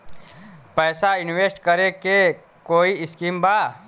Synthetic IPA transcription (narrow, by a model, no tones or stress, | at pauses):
pɛːsaɪnweːsʈkəɾeke | koːiɪskiːmbaː